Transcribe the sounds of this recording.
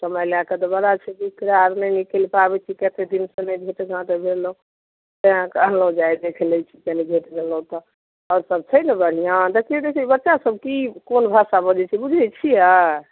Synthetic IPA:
səməjleakət̪ɔbəlat͡ʃʰɛkikɾaɾnɛnikelpabɛt͡ʃʰikɛt̪ed̪insə̃nəjbʱeʈɡʱãt̪ebʱelũ | t̪əãkələũd͡ʒajd̪ekʰlɛt͡ʃʰi̥k̪ɛnid͡ʒʱeʈbʱelũt̪ɔ | ɔːɾsəb̚t͡ʃʰəjnebəɽ̤ijãd̪əkʰied̪ekʰbətːʃasəb̚ʱkikonbʱasabəd͡ʒɛt͡ʃʰibud͡ʒʱɛt͡ʃʰia

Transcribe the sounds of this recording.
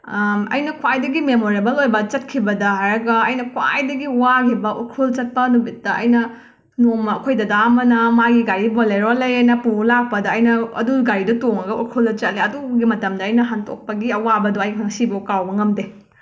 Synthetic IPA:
ɐ̰jnɐkʰwajdɐɡimemoɾebɐlojbɐt͡ʃɐt̚kʰibɐdɐɦajɾɐɡɐɐjnɐkʰwa̰jdɐɡiwakʰibɐʔṵkʰult͡ʃɐt̚pɐnumit̚dɐɐ̰jnɐ | nomɐɐkʰojdɐdamɐnɐmaɡiɡaɾiboleɾolɐjɐjnɐpuulak̚pɐdɐɐjnɐɐ̰duɡaɾidɐtoŋɐɡɐutkʰuldɐt͡ʃɐt̚leɐduɡimɐtɐmdɐːjnɐɦantʰo̰k̚pɐɡiɐwabɐduɐjɦaŋsibɐukawbɐŋɐmde

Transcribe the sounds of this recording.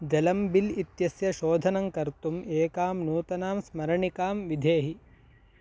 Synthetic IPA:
d͡ʒɐlɐmbilit̪jɐsjɐʃoːd̪ʱɐnɐŋkɐɾt̪umeːkaːmnuːt̪ɐnaːmsmɐɾɐɳikaːmʋid̪ʱeːɦi

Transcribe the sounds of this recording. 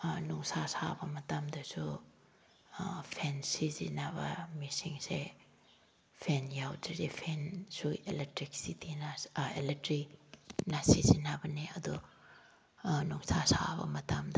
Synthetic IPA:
nuŋsasabɐmɐtamdɐsu | pʰensizḭnabɐ̰misiŋse | pʰenjawdiɾipʰensueletɾik̚sitinaeletɾinasizinabɐniɐdu | nuŋsasa̰bɐ̰mɐtamdɐ

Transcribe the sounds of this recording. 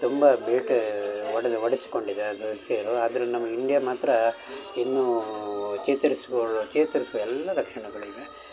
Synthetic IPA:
t̪umbɐbeːʈʋɐɽɐd̪ʋɐɽisi̥ko̞ɳɖid̪eɐd̪upeːɾuaːd̪ɐɾɐnɐmːɐiɳɖijɐmaːt̪ɾɐinːuːt͡ʃeːt̪ɐɾisʋoɭt͡ʃeːt̪ɐɾisuʋɐɛlːɐɾɐkʂɐɳɐɡɐɭuiɡe

